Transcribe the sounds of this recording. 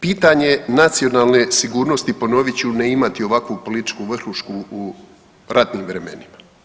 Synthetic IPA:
piːt̪aɲe̞nat̪sio̞naːlˠne̞siɡuːɾno̞st̪ipo̞no̞ʋit͡ɕuneimat̪io̞ʋakʋupo̞lit̪i̥t͡ʃkuʋr̩xuʃkuː | ɾat̪niːmʋɾe̞me̞̰nima

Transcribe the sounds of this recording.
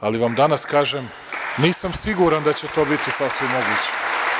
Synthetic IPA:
aliʋamd̪anaskaːʒem | niːsamsiɡuɾand̪at͡ɕet̪o̞ːbit̪isasʋimːo̞ɡuːt͡ɕe̥

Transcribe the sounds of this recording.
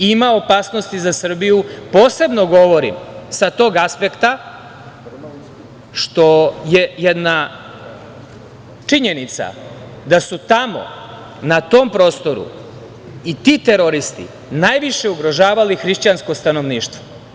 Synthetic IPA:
imaopaːsno̞st̪izasr̩bijupo̞ːse̞bno̞ɡo̞ʋo̞ɾḭmsat̪o̞ːɡaspe̞kt̪a | ʃt̪o̞jejed̪na | t͡ʂiɲe̞nit̪sa̰ | d̪asut̪amo̞̰ | nat̪o̞mpɾo̞ːst̪o̞ɾṵ | it̪iːt̪e̞ɾo̞ɾist̪ḭ | naːjʋiʃe̞uɡɾo̞ʒaːʋalixɾiʃt͡ɕansko̞st̪ano̞ʋniːʃt̪ʋo

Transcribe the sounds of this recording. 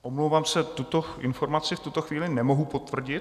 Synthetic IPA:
ʔomlowvaːmsɛt̪ut̪o̞ʔɪ̰nfo̞ɾmat͡sɪft̪ut̪o̞xviːlɪnɛmo̞ɦupo̞t̪vr̩ɟɪt̪

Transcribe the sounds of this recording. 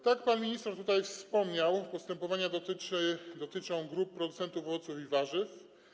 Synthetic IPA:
t̪akpanmʲiɲist̪ɛɾt̪ut̪ajfspɔmɲawpɔst̪ɛmpɔvaɲad̪ɔt̪ɘɘd̪ɔt̪ɘt͡ʂɔ̃w̃ɡɾup̚ːɾɔd̪ut̪sɛnt̪ufɔvɔt̪sufivaʐɘf

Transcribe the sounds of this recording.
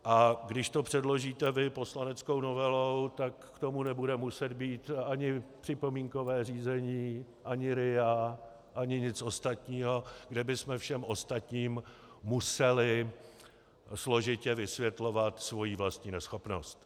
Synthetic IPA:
ʔaɡdɪʃt̪o̞pr̝̥ɛdlo̞ʒiːt̪ɛvɪpo̞slanɛt͡sko̞wno̞vɛlo̞wt̪akkt̪o̞munɛbudɛmusɛd̪biːt̪ʔaɲɪpr̥ɪpo̞miːŋko̞vɛːriːzɛɲiː | ʔaɲɪɾɪa | ʔaɲɪɲɪt͡sʔo̞st̪at̪ɲiːɦo̞ɡdɛbɪsmɛfʃɛmʔo̞st̪at̪ɲiːmː | usɛlɪ | slo̞ʒɪcɛvɪsvjɛt̪lo̞vat̪svo̞jivlast̪ɲiːnɛsxo̞pno̞̰st̪

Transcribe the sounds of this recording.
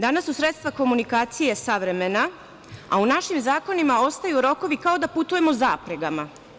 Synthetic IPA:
d̪anasːusɾe̞t̪st̪vʋako̞munikaːt̪sije̞saʋɾe̞me̞na | a̰unaʃimzaːko̞nimao̞st̪ajuɾo̞ko̞ʋikao̞d̪aput̪uje̞mo̞zaːpɾeɡama

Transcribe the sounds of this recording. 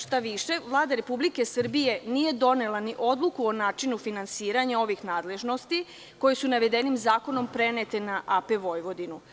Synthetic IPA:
ʃt̪aʋiʃe̞ʋlˠaːd̪aɾe̞publike̞sr̩bije̞nije̞d̪o̞nelaniʔo̞d̪lˠukuonaːt͡ʃinufinansiːɾaɲao̞ʋixnaːd̪le̞ʒno̞st̪i | ko̞jesunaʋe̞d̪e̞nimzaːko̞no̞mpɾe̞net̪e̞naʔapeʋo̞jʋo̞d̪inu

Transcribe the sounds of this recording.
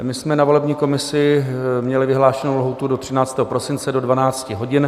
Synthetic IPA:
mɪsmɛnavo̞lɛbɲiːko̞mɪsɪmɲɛlɪvɪɦlaːʃɛnowlɦot̪udot̪r̥ɪnaːt͡st̪ɛːɦopɾo̞sɪnt͡sɛdo̞dvanaːt͡scɪɦo̞ɟɪn

